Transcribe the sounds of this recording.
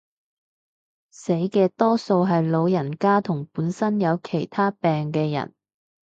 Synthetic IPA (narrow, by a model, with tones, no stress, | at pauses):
se˨˥jkɛː˧t̪ɔː˥so˧wɦɐ˨jlo˨˧wjɐ˨˩nkaː˥t̪ʰʊ˨˩ŋpuː˨˥nsɐ˥njɐ˨˧wkʰe˨˩jt̪ʰaː˥pɛː˨ŋkɛː˧jɐ̰˨˩n